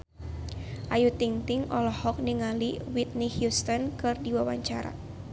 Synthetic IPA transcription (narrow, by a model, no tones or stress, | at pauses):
ʔajut̪iŋt̪iŋʔɔlɔhɔk̚niŋaliwit̪̚nihjust̪ɔnkɨrdiwawaɲt͡ʃaɾa̰